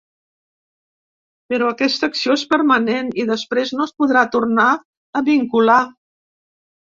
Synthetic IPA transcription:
pəɾɔəkɛst̪əksioespəɾməneniðəspɾeznoəspuðɾat̪urna | əβiŋkula

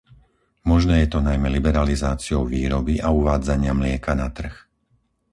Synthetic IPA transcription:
mɔʒnɛːjɛt̪ɔnajmɛlibɛɾalizaːt͡siɔʊʋiːɾɔbiʔauʋaːd͡zaɲɪamlɪɛkanat̪r̩x

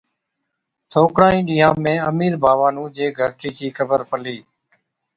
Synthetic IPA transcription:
t̪ʰoːkɽãːĩːɗiːjãːmẽːəmiːɾbʱaːʋaːnũːd͡ʒeːɡʱəɾʈiːkʰiːkʰəbəɾpəliː

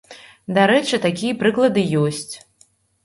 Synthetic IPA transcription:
d̪aɾɛt͡ʂɨt̪akʲijɐpɾɨklˠɐd̪ɨjɔsʲt͡sʲ

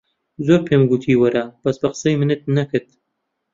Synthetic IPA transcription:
zoɾpʰemɡut̪ʰiːwɐɾaːb̥ɐsbɐqə̥sɐjmɨnɨt̪̚nɐkɨt̪̚

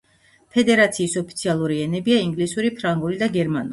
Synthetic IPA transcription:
pʰɛd̪ɛɾat̪sʰiːsɔpʰi̥t̪sʰialˠuɾiɛnɛbiaiŋɡlisuɾipʰɾaŋɡulid̪aɡɛɾmanu

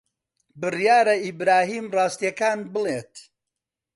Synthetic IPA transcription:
bɨrjaːɾɐibɾaːɦiːmrɑːst̪ijɐkaːnbɨleːt̪

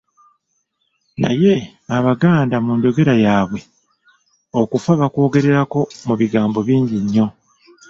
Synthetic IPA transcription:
na̰je̞ | aβaɡaːndamuːɲɟo̞ɡe̞ɾajaːβwe̞ | o̞kufaβako̞ːɡe̞ɾe̞ɾako̞muβiɡaːmbo̞βiːɲɟiɲːo̞

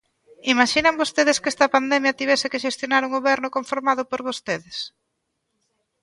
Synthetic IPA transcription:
imaʃinɐmbost̪eðeskɛst̪ɐpand̪ɛmjɐt̪iβɛsekeʃest̪jonaɾuŋɡoβɛɾnʊkoɱfoɾmaðʊpoɾβost̪eðɪs

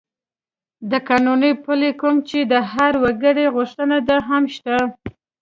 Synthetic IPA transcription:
d̪əkɑnunəjpulekumt͡ʃed̪əɦaɾwaɡəɽeɣʊʂt̪ənad̪aɦamʃt̪a

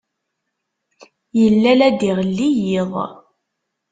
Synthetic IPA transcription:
jəlːælæd̪iʁlːijiðˤ

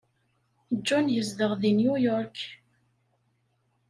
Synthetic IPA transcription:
d͡ʒːɔnjəzd̪əʁðinjujɔɾk

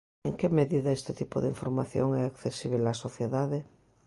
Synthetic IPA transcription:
eŋkemeðiðaest̪et̪ipoðiɱfoɾmaθjo̰ŋɛakθesiβ̞elasoθjeðaðe

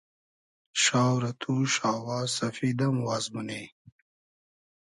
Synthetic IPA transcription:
ʃaːwɾɐt̪ʰuːʃaːwaːsɐfid̪ɐmwaːzmuneː

